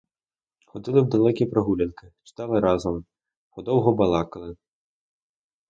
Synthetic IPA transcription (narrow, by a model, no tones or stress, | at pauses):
xɔd̪ʲɨlˠɨwd̪alˠɛkʲijpɾɐɣulʲɐnkɨt͡ʃɨ̥t̪alˠɨɾazɐm | xɔd̪ɔwɣɔbalˠakɐlˠɨ